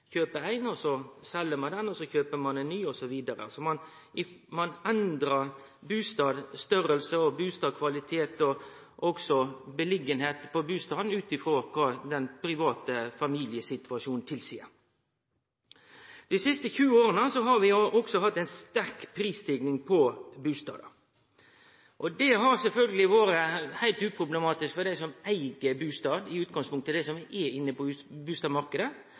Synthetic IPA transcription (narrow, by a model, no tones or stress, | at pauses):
çøːpəæɪnɔsɔsɛlːəmɑnd̪ɛnɔsɔçøːpəmɑnɛɪnːyːɔsɔʋiːd̪əɾə̰sɔmɑnɪmɑnɛnd̪ɾɑɾ | bʉːst̪ɑːd̪st̪œɾəlsəɔbʉːst̪ɑːd̪kʰʋɑlɪt̪ʰeːt̪ɔ | ʔɔksɔbəlɪɡənheːt̪pʰɔbʉːst̪ɑːd̪n̩ʉːt̪ɪfɾoːkʰɑːd̪ɛnpʰɾɪʋɑːt̪əfɑmiːlɪəsɪt̪ʰɑʂuːnn̩t̪ʰɪlsiːə̰ɾ | d̪̥ɪsɪst̪əçʉːoːɾənəsɔɦɑɾʋɪʔɔɡsɔhɑt̪ːæɪnst̪æɾkpʰɾiːst̪ɪɡnɪŋpʰɔbʉːst̪ɑ̰ːd̪ə | ʔɔd̪ɛɦɑɾsɛlfœlɡəlɪʋoːɾəhæɪlt̪ʉːpʰɾʊbləmɑːt̪ɪskfɔd̪æɪsɔmæɪɡəbʉːst̪ɑːd̪ɪʉːt̪̚ɡɑŋspʰʊŋkt̪ʰːəld̪ɛsɔmʋɪʔɛɪnːəpɔʉːbʉːst̪ɑːd̪mɑʁkəd̪ə